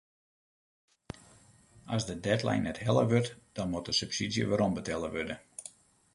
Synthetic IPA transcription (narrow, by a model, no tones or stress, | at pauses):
ɔzdədɛtlɛ̰jnːɛthɛlˠə̰ʋørtd̥ɔnmut̚dəsypsidjə̰ʋaɾombətʰɛlˠəʋødə